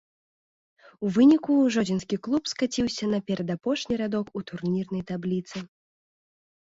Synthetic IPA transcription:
uvɨnʲikuʐɔd͡zʲinskʲiklˠupskat͡sʲiwsʲɐnɐpʲɛɾɐd̪apɔʂnʲiɾad̪ɔkut̪urnʲirnɐjt̪ablʲit̪sɨ

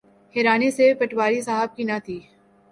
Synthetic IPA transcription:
hɛːɾaːnesepɐʈwaːɾisaːɦəb̚kinat̪ʰiː

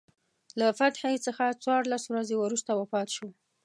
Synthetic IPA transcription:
lafat̪ħat͡səxat͡swɑɾlaswɾazewəɾust̪awafɑt̪ʃo

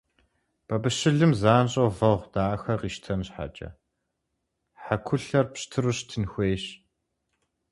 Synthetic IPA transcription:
b̥ɐbɨɕɪɮɨmzaːnɕʼɐwvɐʁʷd̥aːxɐqiːʃtʰɐnɕħa̰t͡ʃʼɐ̰ | ħakʷʰʊɬɐrpɕtʰɨɾɨɕtʰɨnxʷeːɕ

